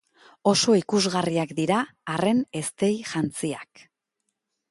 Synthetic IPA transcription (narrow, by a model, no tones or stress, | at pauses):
o̞so̞ikuzɣariakd̪iɾaːre̞ne̞st̪e̞jʝant͡siak